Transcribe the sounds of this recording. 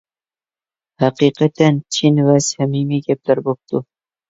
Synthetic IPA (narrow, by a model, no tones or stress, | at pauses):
hæqiqæt̪ænt͡ʃʰinvæsæmimiɡʲæp̚læɾbop̚t̪ʊ